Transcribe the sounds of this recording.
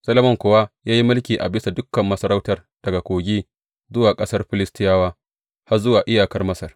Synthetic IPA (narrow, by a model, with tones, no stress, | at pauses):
sɐ˦le˦mɔ˦˨ŋkʷʊ˨waː˦jaː˦ji˦mʊ˦lkʲiː˨ʔa̰˨bɪ˦sa˨dʊ˦kːɐ˨mːɐ˦sɐ˦ɾa˦wtɐ˨r | d̥ɐ˨ɡa˨kʷoː˨ɡʲiː˦ | zʊ˦waː˨kʼɐ˦sɐ˦rɸɪ˦lɪ˦stɪ˦jaː˦waː˦ | ha˦rzʊ˦waː˨ʔɪ˦jaː˨kɐ˦rmɐ˦sɐ˨r